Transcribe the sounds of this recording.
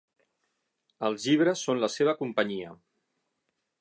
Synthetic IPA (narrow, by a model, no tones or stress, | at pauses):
əlˠzʎiβ̞ɾəsːonləseβ̞əkumpəɲiə